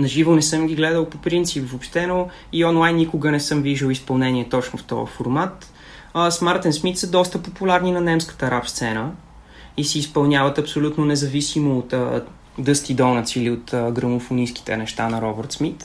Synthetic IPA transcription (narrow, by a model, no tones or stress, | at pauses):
nɐʒivonɛsɤmɡ̟ʲiɡlɛd̪əlˠpopɾint̪sipvopʃt̪ɛno | iɔnlˠajnːikʊɡənɛsɤmviʒəlispɐlˠnɛnʲiɛt̪ɔt͡ʃnoft̪ɔ̰ə̰foɾmat̪ | smaɾt̪ɛnsmit̪səd̪ɔst̪əpopulʲaɾninɐnɛmskə̥t̪əɾapst̪sɛnə | isiːspɐlˠnʲjavət̪ɐpsolʲut̪nonɛzɐvisimoːt̪ə | d̪ɤst̪id̪ɔnɐt̪siliot̪əɡɾəmofʊniski̥t̪ɛ̰nɛʃt̪anɐɾɔbəɾt̪smit̪